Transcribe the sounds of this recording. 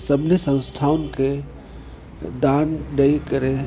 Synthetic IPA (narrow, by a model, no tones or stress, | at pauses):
sɐbnisə̃nst̪ʰaːwnke | d̪aːnɖəikəɾẽ